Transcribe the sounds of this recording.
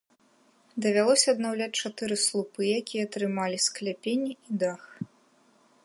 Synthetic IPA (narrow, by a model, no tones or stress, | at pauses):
d̪ɐvʲalˠɔsʲɐːd̪nawlʲat͡sʲt͡ʂat̪ɨɾɨslˠupɨjakʲijɐt̪ɾɨmalʲisklʲapʲenʲːiid̪ax